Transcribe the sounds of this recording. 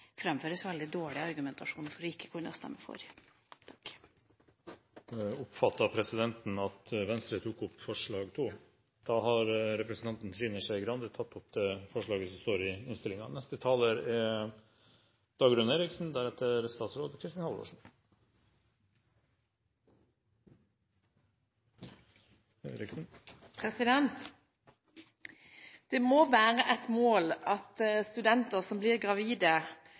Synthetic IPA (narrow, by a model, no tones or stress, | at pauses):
fɾɛmføːɾəsʋɛld̪ɪd̪oːɭɪɑɾɡʉmɛnt̪ʰɑʂuːnfɔɾɪkːə̥kʰʊɳɔ̰st̪ɛ̰mːəfɔ̰ɾʰ | ʊpfɑt̪ːɑpʰɾɛsɪd̪ɛnt̪nɑt̪ʋɛnst̪ɾət̪ʰuːkʊpːfɔʂɭɑːɡt̪ʰuː | d̪̥ɑːɦɑɾɾɛpɾəsən̩ɑnt̪n̩t̪ʰɾiːnəʂɛɪɡɾɑnd̪ət̪ʰɑt̪ːʊp̚d̪ɛːfɔʂɭɑːɡəsɔmst̪oːɾɪɪnst̪ɪlɪŋɑ̰nɛst̪ət̪ʰɑːləɾɛ | d̪̥ɑːɡɾʉnəeːɾɪksn̩d̪æɾɛt̪ːəɾst̪ɑːt̪sɾoːd̪əkʰɾɪst̪ɑnhɑlo̰ːʂn̩ | ḛɾɪksn̩pʰɛsɪd̪ɛnt̪ | d̪̥ɛmoːʋæːʁəʔɛt̪moːlɑt̪st̪ʉd̪ɛnt̪əʁsɔmblɪʁɡʁɑʋiːd̪ə